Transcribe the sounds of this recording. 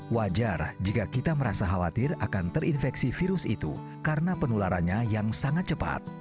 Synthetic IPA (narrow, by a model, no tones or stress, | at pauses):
wad͡ʒard͡ʒikakit̪aməɾasaɦawat̪ɪra̰kant̪ərinfɛksifiɾʊsḭt̪ṵ | kaɾənapənulaɾanɲajaŋsaŋat̪̚t͡ʃəpa̰t̪̚